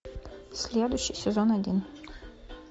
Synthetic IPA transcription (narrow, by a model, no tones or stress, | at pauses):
sʲlʲɛd̪ʊɕijsʲɛzɔnɐdʲin